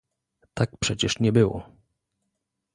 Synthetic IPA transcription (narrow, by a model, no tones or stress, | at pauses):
t̪ak̚pʂɛt͡ɕɛʂɲɛbɘwɔ̰